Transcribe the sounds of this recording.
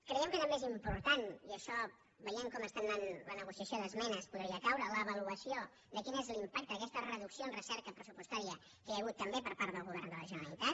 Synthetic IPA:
kɾəjɛmkət̪əmbezimpuɾt̪aniəʃɔ | βəjeŋkɔməst̪ananlənəɣusiəsjoðəzmɛnəspuðɾiəkawɾələβəluəsio | d̪əkinezlimpak̚t̪əːkɛst̪ərəðuksijoənrəsɛɾkəpɾəsupust̪aɾiə | keəɣut̪ːəmbepəɾpaɾt̪ðəlˠɣuβ̞ɛrnd̪ələʒənəɾəlit̪at̪̚

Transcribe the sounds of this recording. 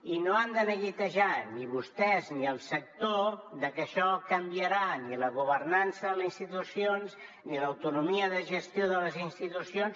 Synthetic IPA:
inoand̪ənəɣit̪əʒaniβust̪ɛzniəlˠsək̚t̪oðəkəʃɔkəmbiəɾaniləɣuβərnansəðələzinst̪it̪usions | niləwt̪unumiəðəʒəst̪joðələzinst̪it̪usions

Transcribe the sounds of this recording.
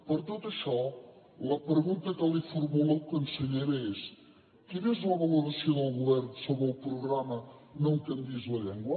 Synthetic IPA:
pəɾt̪ot̪əʃɔ | ləpɾəɣunt̪əkəlifuɾmulokənsəʎeɾəes | kinezləβəluɾəsioðəlˠɣuβɛrnsoβɾəlˠpɾuɣɾamənõwkənd̪izləʎɛŋɡwə

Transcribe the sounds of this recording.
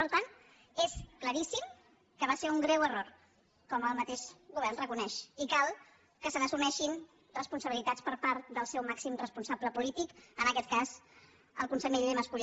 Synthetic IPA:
pəɾt̪ant̪ | eskləɾisim | kəβ̞aseɾuŋɡɾɛwəror | kɔməlˠmət̪eʃɣuβ̞ɛɾrnrəkunɛʃikalˠ | kəsənəsunɛʃin | rəspunsəβilit̪at͡spəɾpaɾt̪̚d̪əlˠsɛwmaksimrəspunsabləpulit̪ikənəkɛt̪̚kaz | ə̰lˠkunsəmeʎeməskul

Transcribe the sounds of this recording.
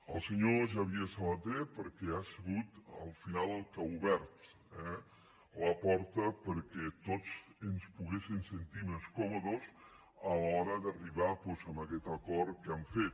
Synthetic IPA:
əlˠsəɲoʒaβiəsəlat̪̚dɛpəɾkɛasəɣut̪ə̰lˠfinalˠəlˠkəuβɛɾt̪ | ɛ | ləpɔɾt̪əpəɾkɛt̪ot͡sənspuɣesinsənt̪imeskɔmoðoz | əlɔɾəðəriβapɔzəməkɛt̪əkɔɾkamfet̪̚

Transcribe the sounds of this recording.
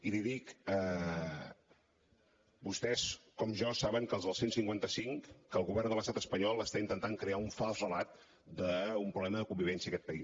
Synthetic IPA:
iliðikə | bust̪ɛskɔmʒɔsaβəŋkəlzðəlˠsensiŋkwant̪əsiŋkːəːlˠɣuβɛrnd̪ələst̪at̪əspəɲɔlˠəst̪aint̪ənt̪aŋkɾeauɱfalˠzrəlat̪̚ | d̪əumpɾuβlɛməðəkumbiβ̞ɛnsiəkɛt̪̚pəis

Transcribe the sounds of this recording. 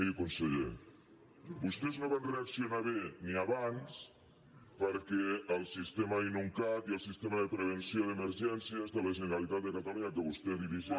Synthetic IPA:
eukonseʎḛ | bust̪eznõβanreaksjonaβeniaβans | pəɾkeəlˠsist̪emainuŋkat̪iəlˠsist̪emaðəpɾeβ̞ensjoðemeɾʒɛnsjazðəlaʒeneɾalit̪at̪̚d̪əkat̪aluɲakəβust̪eðiβiʒi

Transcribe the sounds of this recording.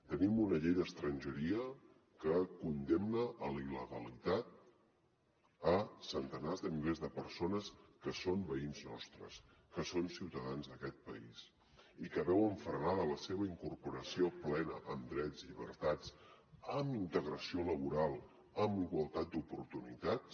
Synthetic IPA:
t̪ənimunəʎejðəst̪ɾənʲʒəɾiə | kəkund̪emnəʔːliləɣəlit̪at̪̚ | əsənt̪ənazðəmilezðəpəɾsonəskəsombəinznɔ̰st̪ɾə̰s | kəsonsiwt̪əðanzðəkɛt̪̚pə̰is | ikəβɛwəɱfɾnaðələseβəiŋkuɾpuɾəsioplɛnəʔəmd̪ɾɛd͡zʎiβ̞əɾt̪at͡s | əmint̪əɣɾəsioləβuɾalˠ | əmbiɣwəlˠt̪at̪̚d̪upuɾt̪unit̪ats

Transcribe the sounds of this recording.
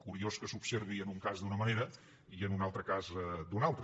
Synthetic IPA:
kuɾioskəsupseɾβiənuŋkazd̪unəməneɾə | iənunalˠt̪ɾəkazd̪unalˠt̪ɾ

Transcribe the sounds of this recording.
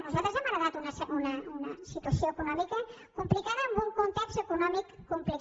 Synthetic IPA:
nuzalt̪ɾəzɛmaɾəaðat̪unəunəunɐsit̪uɐsjoekunɔmikə | kumplikaðəəmbuŋkunt̪ɛkst̪əkunɔmikːumplik

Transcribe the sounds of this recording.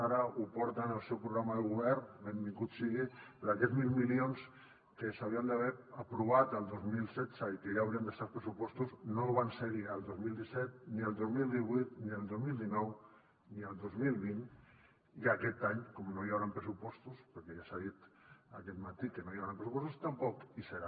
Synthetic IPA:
aɾaupɔɾt̪analsewpɾuɣɾamaðeɣuβɛɾbembiŋɡut̪siɣepeɾoakɛzmilmilions | kesawɾiand̪aβeɾapɾuβat̪alˠd̪ozmilsɛt̪saikejaːwɾiand̪est̪aɾpɾesupɔst̪uznoβ̞anseɣiald̪ozmild̪isɛt̪̚nialˠd̪ozmilˠd̪iβwit̪nialˠd̪ozmild̪inɔw | niald̪ozmilˠβin | ikakɛt̪aɲkomnoiaβɾampɾesupɔst̪uspeɾkeʒasaðit̪akɛt̪mat̪ikenoiawɾampɾesupɔst̪ust̪ampɔkiseɾa

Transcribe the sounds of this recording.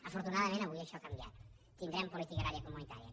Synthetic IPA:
afoɾt̪unaðamẽnaɣuʎeʃoakambja̰t̪ | t̪iŋd̪ɾampolit̪ikaðaɾjakomunit̪a̰ɾija̰

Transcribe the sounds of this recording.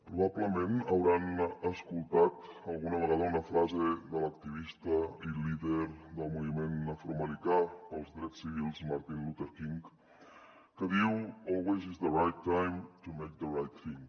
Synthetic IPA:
pɾuβ̞apləmẽnəwɾanəskulˠt̪at̪əlˠɣunəβəɣaðəunəfɾazeðələk̚t̪iβist̪əiliðəɾðəlˠmuβimenːəfuɾməlik̪apəlˠzðɾɛt͡ssːiβilˠzmaɾt̪inlut̪əɾkiŋk | kəðiwɔlˠwezizðərajt̪ːajmt̪umejk̚ðərajt̪θĩŋ

